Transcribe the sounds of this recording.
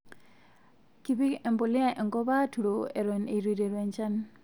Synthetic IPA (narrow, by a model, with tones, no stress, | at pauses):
ki˨bi˦e˨mbo˨li˦a˨ʔe˨ŋɡɔ˦ba˦tu˨ɾo˨e˨ɾe˨ne˨ɾi˨ɾe˨ɾe˨nt͡ʃa˦n